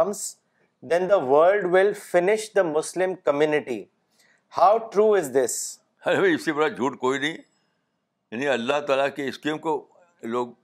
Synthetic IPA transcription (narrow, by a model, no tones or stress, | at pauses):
ms | d̪ɛ̃nd̪əʋəːlɖʋɪlfɪnɪʃd̪əmʊslɪ̃mkəmjuːnɪʈḭ | haʊʈɾuːɪzd̪ɪs | ɐmĩɪsebɐɽad͡ʒʱuːʈkoːinɐĩ | jaːnĩɐlːaɦt̪aːlakeɪskẽːmko | loːɡ̚